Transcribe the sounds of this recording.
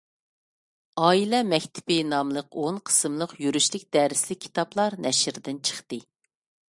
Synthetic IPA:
ɑːilɛmɛkʲt̪ʰɪ̥pɪnɑmlˠəqonqʰə̥sɨmlˠəqjyɾyʃlɪk̚ʲd̪ɛɾɪslɪkʲʰːi̥t̪ɑplˠɑɾnʔɛʃɾd̪ɪnt͡ʃʰə̥χt̪ɨ

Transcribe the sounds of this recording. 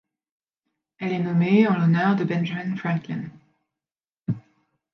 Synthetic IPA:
ɛlɛnɔmeɑ̃lɔnœʁd̪əbɛ̃nʒamɛ̃nfχɛ̃klĩn

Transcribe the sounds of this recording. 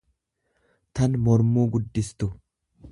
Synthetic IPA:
t̪ɐnmɔɾmuːɡʊd̪ːɪst̪ʊ

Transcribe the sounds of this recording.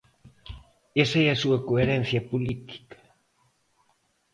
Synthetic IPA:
esaeasuakoeɾen̟θjapulit̪i̥kḁ

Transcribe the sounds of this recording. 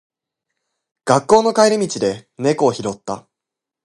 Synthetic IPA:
ɡ̥akːo̞ːno̞kaiɾʲimʲit͡ɕid̪e̞ne̞ko̞ːçiɾo̞t̪ːa̰

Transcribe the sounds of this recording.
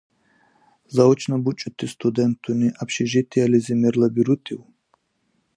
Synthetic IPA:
zaɔt͡ʃʰnabut͡ʃʼut̪ʰːist̪ʰʼud̪ɛnt̪ʰuniʔapʃiʒit̪ʰializimɛɾlabiɾut̪ʼʰiw

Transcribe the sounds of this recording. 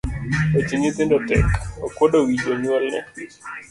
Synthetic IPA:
ot͡ʃiɲit̪ɪndɔtɛ̰kokwodowid͡ʒoɲwɛlnɛ̰

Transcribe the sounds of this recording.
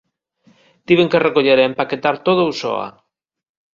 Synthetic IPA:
t̪iβeŋkerekoʎeɾaempaket̪aɾt̪oðousɔ̰a̰

